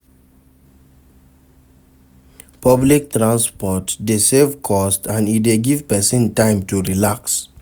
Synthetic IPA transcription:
pʌblik̚tɾãnspɔʈdisevkʰɔstãnit̚deɡivpɛsĩntãɪ̃mʈuɾilaks

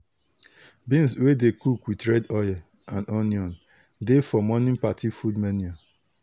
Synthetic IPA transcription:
bĩnswedekukwitɹɛdɔjɛ | ãnɔnjɔ̃n | defɔmɔnĩnpatʰifudmɛnia

